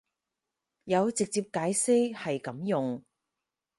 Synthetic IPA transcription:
jɐ˨˧wt͡sɪ˨k̚t͡siː˧p̚kaː˨˥jse˥jhɐ˨jkɐ˨˥mjʊ˨ŋ

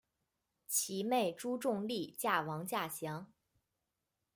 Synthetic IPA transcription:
t͡ɕʰi˧˥me˥˩ɪʈ͡ʂu˥ʈ͡ʂʊ˥˧ŋli˥˩t͡ɕja˥˩wɑ˧˥ŋt͡ɕja˥˩ɕjɑ˧˥ŋ

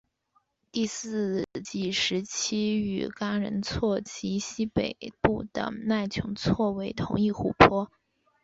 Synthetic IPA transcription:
t̪i˥˧sɹ̩˥˧t͡ɕi˥˩ʂɻ̩˧˥t͡ɕʰi˥y̰˨˩ka˥ɻə̰˧˥nt͡sʰwɔ˥˩t͡ɕʰi˧˥ɕi˥pe˨˩ɪpu˥˩t̪ə̰˨˩na˥˩ɪt͡ɕʰjʊ˧˥ŋt͡sʰwɔ˥˩we˧˥ɪt̪ʰʊ˧˥ŋi˥˩xṵ˥˩pʰwɔ˥

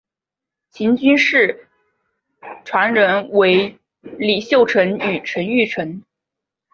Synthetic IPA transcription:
t͡ɕʰi˧˥nt͡ɕy˥nʂɻ̩˥˩ | ʈ͡ʂʰwa˧˥nɻə˧˥nwe˧˥ɪ | li˨˩ɕjo˥˩ʊʈ͡ʂʰə˧˥ny˨˩ʈ͡ʂʰə˧˥ny˥˩ʈ͡ʂʰə˧˥n

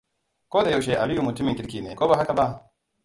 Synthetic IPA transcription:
koː˦d̪a˨jo˦wʃe˨ʔa˨li˦ju˨mu˨ti˦mi˨ki˦ɾki˨ne˨ko˦ba˦ɦa˦ka˨ba˦

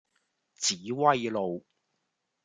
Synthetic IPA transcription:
t͡siː˨˥wɐ˥jlo˨w

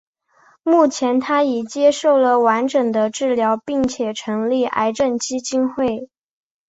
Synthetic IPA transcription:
mu˥˩t͡ɕʰjɛ˧˥nt̪ʰa˥jɛ˨˩t͡ɕjɛ˥ʂo˥˩ʊlə˨˩wa˧˥nʈ͡ʂɤ˨˩ŋd̪ə˦ʈ͡ʂɻ̩˥˩ljɑ˧˥ʊpi˥˩ŋt͡ɕʰjɛ˨˩ʈ͡ʂʰɤ˧˥ŋli˥˩ʔa̰˧˥ɪʈ͡ʂə˥˩nt͡ɕi˥t͡ɕi˥nxwe˥˩ɪ

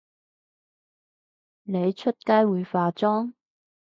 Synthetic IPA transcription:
ne˨˧jt͡ʃʰɵ˥t̚kaː˥jwuː˨˧jfaː˨˧t͡ʃɔː˥ŋ

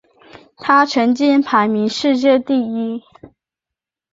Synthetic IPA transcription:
t̪ʰa˥ʈ͡ʂʰɤ˧˥ŋt͡ɕi˥npʰa˧˥ɪmi˧˥ŋʂɻ̩˥˧t͡ɕjɛ˥˧t̪i˥˩i˥

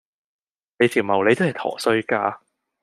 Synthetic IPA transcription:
ne˨˧jt͡sʰiː˨˩wmɐ˨˩wle˧jt̪o˥hɐ˨˩jt̪ʰɔ̰ː˨˩sɵ˧ɥkaː˧

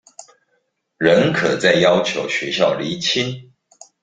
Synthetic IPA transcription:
ɻə˨˦nkʰɤ˨˩t͡sa˥˩ɪjɑ˥˦ʊt͡ɕʰjo˧˥ʊɕɥɛ˧˦ɕjɑ˥˨˩ʊli˨˥t͡ɕʰi˦n

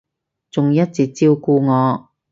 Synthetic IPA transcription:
t͡sʊ˨ŋjɐ˥t̚t͡siː˨˩k̚t͡siː˧wkuː˧ŋɔː˨˧

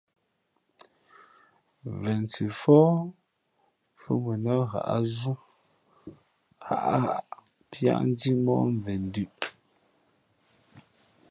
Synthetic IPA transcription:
vɛ˨nt͡si˨fɔː˦ | fə̰˦bu˨na˦ɣa̰˨ʔa˦zu˦ | ha̰˨ʔa˦a˨ʔʔ | pja̰˦ʔn̩˦di˦mɔ̰˦ʔɱ˨vɛ˨n˦dʉ˦ʔ

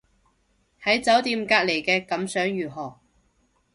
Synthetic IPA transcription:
hɐ˨˥jt͡sɐ˨˥wt̪iː˧mkaː˧k̚le˨˩jkɛː˧kɐ˨˥msœː˨˥ŋjyː˨˩ɦɔː˨˩

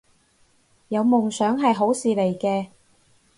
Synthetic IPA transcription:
jɐ˨˧wmʊ˨˩ŋsœː˨˥ŋɦɐ˨jɦo˨˥wsiː˨le˨˩jkɛː˧

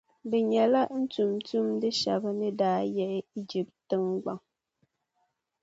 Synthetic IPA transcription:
be˨ɲɛ˨la˦ʔn̩˦tu˨mtu˦mde˦ʃa˨bə˦ne˦daː˨˦jɛ˨ʔɛ˦i˦d͡ʒi˨p̚ttːɨ˦ŋɡ͡ba˨ŋ

